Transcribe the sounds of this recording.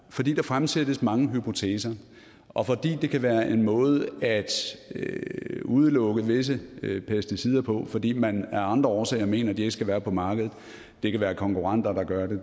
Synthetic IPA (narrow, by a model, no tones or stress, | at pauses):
fɒd̥ḭːd̥ɑ̈fʁamsed̥əsmɑ̈ŋəɦypʰo̝t͡sʰḛːsɐ | ʔɒ̽fɒ̽d̥ḭːd̥e̝kʰæʋæːɐʔe̝nmɔ̽ːð̞ˠæd̥øuð̞ˠəlɔ̽ɡ̥əʋe̝s̬əpʰesd̥isiːð̞ˠɐpʰɒ̽fɒ̽d̥ḭːmænæɐɑ̈nd̥ʁɐɒːsɛ̰ːɪɐme̝̰ːnɐd̥ie̝ɡ̥sɡ̥æʋæːɐpʰɒ̽mɑ̈ːɡ̥əð̩ˠ | d̥e̝kæʋæːɐkʰɒ̽ŋkuʁɑn̰d̥ɐd̥ɑ̈ɡ̥ɶɐde̝